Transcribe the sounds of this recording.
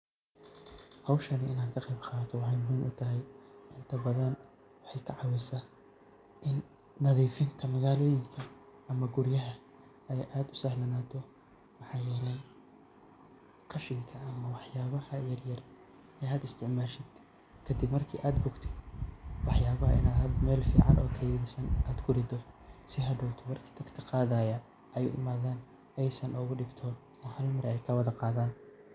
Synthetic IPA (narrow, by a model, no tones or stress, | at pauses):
hɑwʃɐnɪɪnaːnkʰɐqɛjbqɑːt̪ʰɔwɑħɑjmʊɦuːmʔʊt̪ʰɐɦɛjʔɪnt̪ʰɐbɐðɐn | wɑħɑjkʰɐʕɑwɪsa | ʔɪnː | ɐðiːfɪnt̪ʰɐmɐɣaːlɔːjɪŋkʰɐː | mɐɡʊɾjɐɦɐ | ɛjʔaːd̪ʊsaːhlɐnaːt̪ʰɔ | mɑħɑːjɛːlɛj | qɑʃɪŋkʰɐɐmɐwɑħjaːβɐhɐjɐrjɐr | ɛjɐd̪ɪst̪ʰɪʕmaːʃɪd̪̥ | kʰɐd̪ɪbmɐrkʰḭːʔaːd̪bʊɡt̪ʰɪd̪wɑħjaːβɐɦɐ̰ɪ̰naːɦɐd̪mɛːlfḭːʕɑ̰nɔ̰ːkʰɐjðɪsɐnaːd̪kʰʊɾɪd̪ɔsɪɦɐd̪ɔːwt̪ʰɔmɐrkʰiːd̪ɐd̪kʰɐqɑːðaːjɐ | ʔɛj̰ʔɪ̰maːðaːn | ɛjsɐnʔɔːɣʊɖɪbt̪ʰɔːn | ɔːhɐlmɐɾɛɛjkʰɐwɐðɐqɑːðaːn